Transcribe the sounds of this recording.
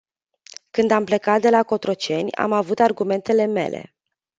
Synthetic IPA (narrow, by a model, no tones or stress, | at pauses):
kɨnd̪ample̞kat̪̚d̪e̞lako̞t̪ɾo̞t͡ʃe̞nʲa̰mavut̪arɡume̞nt̪e̞le̞me̞̰lʔe̞̰